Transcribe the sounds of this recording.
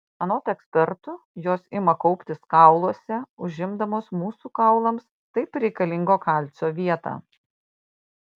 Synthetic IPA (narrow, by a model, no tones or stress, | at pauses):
ɐnoːt̪ɛksʲpʲɛɾt̪ʊ | joːsɪmɐkɒʊpʲt̪ʲɪskɑˑʊlˠuɔsʲɛʊʒʲɪmd̪ɐmoːsmuːsuːkɐʊlˠɐms | t̪ɐɪpɾʲɛɪkɐlʲɪŋɡoːkɑˑlʲt̪sʲoːʋʲiɛt̪ɑ̰ː